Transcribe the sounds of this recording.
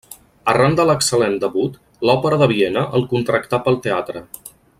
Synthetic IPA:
ərand̪ələksəlend̪əβut̪ | lɔpəɾəðəβ̞ienəʔəlˠkunt̪ɾəkt̪apəlˠt̪eat̪ɾə

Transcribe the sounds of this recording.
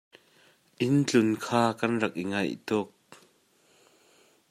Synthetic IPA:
ʔɪnt͡ɬʊnkʰaːkɐnrɐk̚ʔiŋɐjt̪ʊk̚

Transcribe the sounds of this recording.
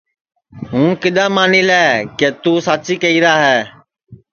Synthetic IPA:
ɦũːkɪɗ̪aːmaːniːlɛːkeːt̪uːsaːt͡ʃiːkəiːɾaːɦɛː

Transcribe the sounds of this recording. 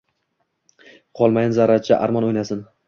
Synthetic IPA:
qʰɒlˠmajɪnzaɾat͡ʃʰaʔa̰ɾmɒnojnasɪn

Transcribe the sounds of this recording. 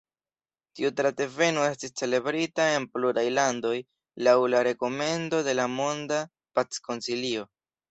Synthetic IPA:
tiutɾate̞ve̞no̞e̞stist͡se̞le̞bɾitae̞npluɾajlando̞j | lawlaɾe̞ko̞me̞ndo̞de̞lamo̞nda | pat͡sko̞nsilio̞

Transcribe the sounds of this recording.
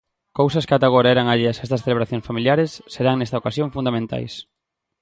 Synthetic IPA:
kowsɐskɪat̪aɣ̞oɾɐɛɾaŋaʎeɐsest̪ɐsθeleβɾaθjõŋsfamiljaɾesːeɾaŋnest̪ɐokasjõŋfund̪amẽnt̪a̰js

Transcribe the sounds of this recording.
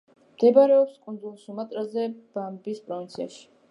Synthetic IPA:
md̪̥ɛbaɾɛɔpskʼund̪zulˠsumat̪ʼɾazɛb̥ambispʼɾɔvint̪sʰia̰ʃi̥

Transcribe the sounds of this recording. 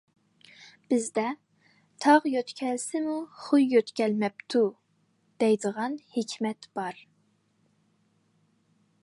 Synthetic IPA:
b̥ɪzd̪ɛ | t̪ʰɑʁjøt̪kʲʰɛlsɪmuχujːøt̪kʲʰɛlmɛp̚t̪ʰu | d̪̥ɛjd̪əʁɑnhekʲʰmɛt̪b̥ɑɾ

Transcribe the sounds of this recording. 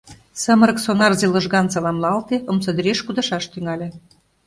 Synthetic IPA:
sə̆mə̆ɾə̆ksonɑrzelɤ̆ʒɣɑnt͡sɑlˠɑmlɑlt̪eə̆msɤ̆d̪ɾeʃkud̪ɤ̆ʃɑʃt̪yŋɑlʲe

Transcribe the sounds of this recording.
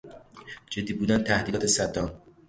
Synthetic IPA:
d͡ʒed̪ːiːbuːd̪ænt̪ʰæhd̪iːt̪ʰesæd̪ɒːm

